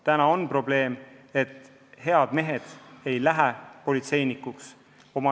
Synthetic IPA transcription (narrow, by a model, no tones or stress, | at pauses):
t̪ænɑo̞npro̞ble̞ːme̞t̪ː | he̞ɑd̪̥me̞ɦe̞d̪̥e̞jlæɦæpo̞lit̪se̞jnikuks | o̞mɑ